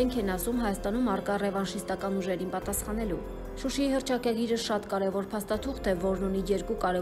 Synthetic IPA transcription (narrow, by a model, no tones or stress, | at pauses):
ɛŋkʰɛnɑsumɦɑjɑst̪ɑnumɑrkɑrɛvɑnʃist̪ɑkɑnuʒɛɾinpɑt̪ɑsχɑn̪ɛlu | ʃuʃiihəɾt͡ʃʰɑkɑɡiɾəʃɑt̪kɑɾɛvɔɾpʰɑst̪ɑt̪ʰuχt̪ʰɛvɔɾnunijɛɾkukɑɾɛ